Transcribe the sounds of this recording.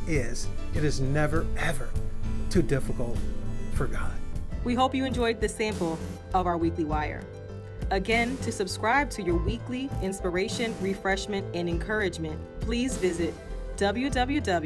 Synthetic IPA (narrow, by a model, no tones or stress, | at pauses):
ɪz̥ɨɾɨznɛvə˞ɛvə˞tʰʉdɪfəkl̩ˠtfə˞ɡɑd̥̚wiɦoʊpjɨɨ̃nd͡ʒɔɪd̪̚ðɨsæ̃mpl̩ˠʌvaʊə˞wikliwaɪə̰˞ | ɨɡɛ̃ntʰɨsɨb̥skɹaɪb̚tʰɨjə˞wikliɪ̃nspə˞eɪʃɨ̃nɹifɹɛʃmɨ̃ntɨ̃nɨ̃nkʰɜ˞ɨd͡ʒmɨ̃n | pʰl̥izvɪzɪt̚d̥ʌbl̩ˠjʉdʌbl̩jʉdʌblˠ